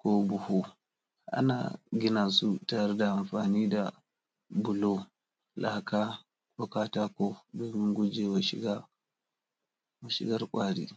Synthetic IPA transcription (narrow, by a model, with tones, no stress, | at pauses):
kʷo˦bʊ˨hu˦ | ʔa̰˦na̰ː˨ɡʲɪ˦na˨su˦ta˨jɾe˦da˨ʔa˨mɸaː˨niː˦da˨ | bʊ˨lo˦ | lʔa˨˦kaː˦ | kʷo˦kaː˦taː˦ko˦doː˨mɪ˦ŋɡʷʊ˦d͡ʒe˨wa˨ʃɪ̰˦ɡa˦ | wa˨ʃɪ˨ɡɐ˦rkʷʼaː˦ɽḭ˦